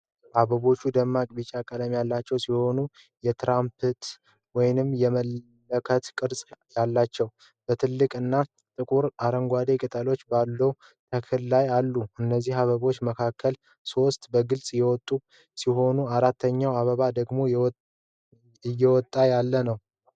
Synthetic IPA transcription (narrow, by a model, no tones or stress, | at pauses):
ʔaβəβo̞t͡ʃːud̪əmːakʼbit͡ʃʼakʼələmjalːat͡ʃːɛwsiho̞nu | jɛt̪ɾampʰɨt̪ | wɔjnɨmjɛməl | əkʰət̪kʼɨɾsʼjalːat͡ʃːɛw | b̥ət̪ʰɨlːɨkʼɨnːa | t̪ʼɨkʼuɾaɾəŋɡʷad̪ekʼɨt̪ʼəlo̞t͡ʃːbalːəw | t̪ʰəkʰhɨllajalːuɨnːəzːihaβəβo̞t͡ʃːməkʰakʰːəl | so̞st̪ʼbəɡɨlsʼjɛwɔt̪ʼːu | siɦo̞nuaɾat̪ːəɲːawaβəβad̪əɡmo̞ | jɛwɔt̪ʼːajalːənəw